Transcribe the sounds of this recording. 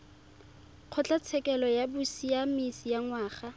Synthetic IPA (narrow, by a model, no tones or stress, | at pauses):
q͡χʰɔt͡ɬʼat͡sʰɛkɛlɔjabusijamisijaŋwaːχa